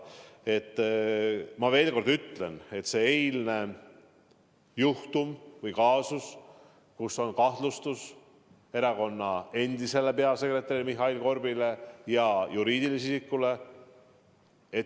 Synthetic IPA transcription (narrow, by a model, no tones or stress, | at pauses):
e̞t̪ˑː | mɑve̞ːlko̞rd̪yt̪le̞ne̞t̪ːse̞ejlne̞ | juht̪umvɯjkɑːsus | kuso̞nkɑht̪lust̪us | e̞ɾɑko̞nːɑe̞nd̪̥ise̞le̞pe̞ɑse̞kre̞t̪ːˑɑɾilmiɦɑilko̞rbile̞jɑjuɾiːd̪ilis̬isikːule̞ | e